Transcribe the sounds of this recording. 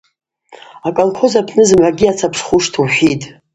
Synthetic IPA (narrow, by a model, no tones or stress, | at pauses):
akʼalkʰo̞zapʰnɨzɨmʕaɡʲiat͡sʰapʰʂχuʂtʰuħʷᶣitʼ